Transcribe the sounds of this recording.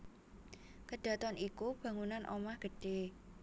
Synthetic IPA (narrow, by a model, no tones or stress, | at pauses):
kəɖ̥ä̤t̪ɔnikub̥ä̤ŋunanʔo̰mahɡ̥ə̤ɖ̥e